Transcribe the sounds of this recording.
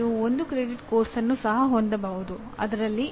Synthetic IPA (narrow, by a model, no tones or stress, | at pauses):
uond̪ukɾeːɖiʈkoːɾsɐnːusɐɦɐɦond̪ɐbɐːʋud̪u | ɐ̰d̪ɐɾɐlːi